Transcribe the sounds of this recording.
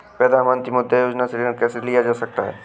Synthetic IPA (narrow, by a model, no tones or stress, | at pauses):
pɾɐd̪ʱaːnmə̃nt̪ɾimʊd̪ʱːejoːd͡ʒnasɾikɛːselijad͡ʒaːsɐk̚t̪aɦɛ̰ː